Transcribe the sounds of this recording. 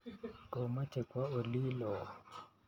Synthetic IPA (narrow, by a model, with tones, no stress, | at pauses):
kɔ˨ma˦t͡ʃɛ˨kwa˦o˨li˦lɔ˨